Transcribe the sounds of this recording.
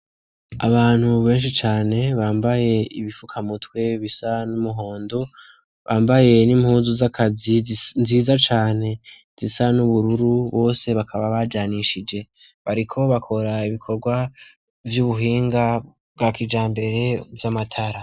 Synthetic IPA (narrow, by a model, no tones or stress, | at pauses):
a̰βaːn̥huβe̞ːnʃ̬it͡ʃaːne̞βaːmbaje̞ḭβifukʰamutwe̞βisanumuɦo̞ːndo̞ | βaːmbaje̞nimhuːnzuzakʰazinziːzat͡ʃaːne̞ | z̥isanuβuɾuɾuβo̞ːse̞βakʰaβaβaɟaniʃid͡ʒe̞ | βaɾikʰo̞βakʰo̞ɾaiβikʰo̞ɾɡwa | vjuβuɦiːŋɡa | bɡakid͡ʒaːmbe̞ɾe̞vjamatʰaɾa